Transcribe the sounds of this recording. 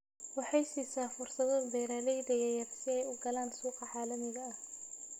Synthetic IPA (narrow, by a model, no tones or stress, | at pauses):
wɑħɑjsiːsaːfʊrsɐðɔbɛːɾaːlɛjd̪ɐjɐjɐrsɪɛjʊɡɐlaːnsuːqɑʕɑːlɐmɪɣɐɐh